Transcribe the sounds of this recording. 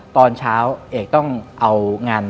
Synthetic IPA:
t̪ɔː˧nt͡ɕʰaː˦˥wʔeː˨˩k̚t̪ɔ˥˩ŋʔa˧wŋaː˧n

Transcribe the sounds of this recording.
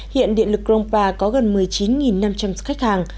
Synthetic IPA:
hḭ˧˨ənɗḭ˧˨ənlɨ˨˩k̚zo˧wŋ͡mpaː˧kɔ˨˦ɣə˨˩nmɨ˨˩əjt͡ɕi˨˦nŋi˨˩nːa˧mt͡ɕa˧mzkxa˦˥jk̟̚haː˨˩ŋ

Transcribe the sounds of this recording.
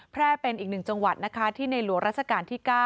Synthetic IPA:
pʰɾɛː˥˩pe˧nʔiː˨˩k̚nɯ˨˩ŋt͡ɕa˧ŋwa˨˩t̪̚na˦˥kʰa˦˥t̪ʰiː˥˩na˧jlu˩˦ŋɾa˦˥t͡ɕʰa˧kaː˧nt̪ʰiː˥˩kaː˥˩

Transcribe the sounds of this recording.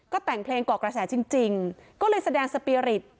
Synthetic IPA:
kɔː˥˩t̪ɛ˨˩ŋpʰleː˧ŋkɔː˨˩kɾa˧sɛː˩˦t͡ɕi˧ŋt͡ɕi˧ŋkɔː˥˩lɤː˧jsa˧dɛː˧ŋsa˧piː˧ɾi˨˩t̪̚

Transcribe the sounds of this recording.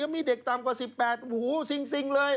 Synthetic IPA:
a˧˩miː˧de˨˩k̚t̪aː˨˩mkwaː˨˩si˨˩pːɛː˨˩t̪̚huː˨˩˦si˧ŋsi˧ŋlɤː˧j

